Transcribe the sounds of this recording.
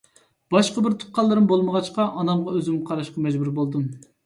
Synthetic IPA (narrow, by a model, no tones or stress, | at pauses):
b̥ɑʃqəbɪɾt̪ʰu̥t̪̚qɑlˠːɨɾɨmbolˠməʁɑt͡ʃqɑʔɑnɑmʁɑøzɪmqʰɑɾɑʃqɑmɛd͡ʒbuɾbolˠd̪um